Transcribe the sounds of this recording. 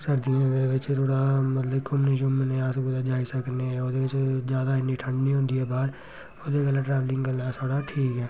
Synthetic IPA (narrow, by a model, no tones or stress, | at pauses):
səɾd̪iɦɛ̃d̪ebɪt͡ʃt̪ʰoːɽaːmət̪ləbkʰʊmnĩːʃʊmnẽːasɡʊlaːd͡ʒaːisəkneɛod̪eːʋɪt͡ʃd͡ʒjaːd̪aːɪniːʈʰəɳɖnĩːɦõːnd̪iːɦɛːbaːɾ | oːd̪eːɡəlːãːʈɾɛːʋlɪ̃ŋɡɡəlːasʰoːɽaʈʰiːkɦɛː